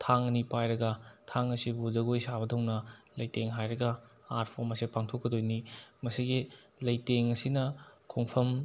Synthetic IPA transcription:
tʰaŋnipajɾɐɡɐtʰaŋɐsibud͡ʒɐɡojsabɐdʰɐwŋnɐlɐjteŋɦajɾɐɡɐ | at̚pʰoɾmɐsipaŋtʰokːɐdojnimɐsiɡi | lɐjteŋɐsinɐkʰoŋpʰɐm

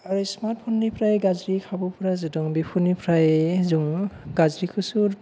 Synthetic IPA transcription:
aɹismat̚pʰɔnːipʰɾajɡazɾikʰabɔpʰɔɾazidɔŋbipʰunipʰɾajzuŋɡazɹikʰusuɾ

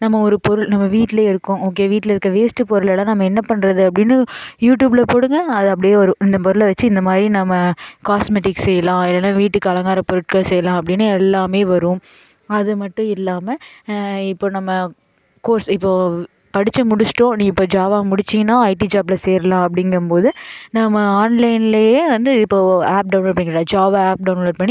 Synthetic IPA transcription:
nɐmːɐɔɾɯpɔɾɯɭnɐmːɐʋiːʈːɪleːɪɾɯkːʊ̃oːk̬ːeːʋiːʈːlɪɾɯkːɐʋeːsʈɯpɔɾɯɭɛlãːnɐmːɐɛnːɐpɐɳɾɐðɯɐpːɐɽɪnːɯjuːʈ̬juːbɪlɐpoːɽɯŋɡɐɐðɯɐp̬ːɐɽɪjeːʋɐɾʊ̃ɪnd̪ɐpɔɾɯlɐʋɐt͡ʃːɯɪnd̪ɐmaːd̪ɾinɐmːɐkaːsmeʈɪkssɛjːɐlãːɪlːɐnaːʋiːʈːɯkːɯɐlɐŋɡaːɾɐpɔɾɯʈ̚kasɛjːɐlãːɐpːɐɽɪnːɯɛlːaːmeːʋɐɾɯ̃m | ɐðɯmɐʈːʊ̃ɪlːaːmɐ | ɪpːoːnɐmːɐ | koːɾsɪpːoː | pɐɽɪt͡ʃːɐmʊɽɯt͡ʃʈːõːnĩɪpːoːd͡ʒaːʋaːmʊɽɪt͡ʃːɪŋɐnãːɐɪʈid͡ʒaːblɐseːɾɐlãːɐp̬ɐɽɪŋɡɐmpoːðɯnɐmːɐaːnlɐɪnɪlɐjeːʋɐnd̪ɯɪpːoːaːp̚ɖɐʊnloːʈp̬ːɐɳːɪɡãd͡ʒaːʋaaːp̚ɖɐʊnloːʈ̚pɐɳːi

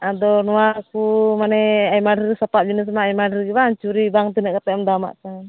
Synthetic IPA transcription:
ʔadɔnuarkumanɛaimadrsapat̪̚d͡ʒinis̬majmadɛrɡibaɲt͡ʃuɾibaŋt̪̬unɛʔkat̪aɔmdama̰ʔka

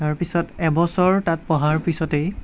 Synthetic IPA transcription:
aɹpisɔtɛbɔsɔɹtat̚pɔɦaɹpisɔtej

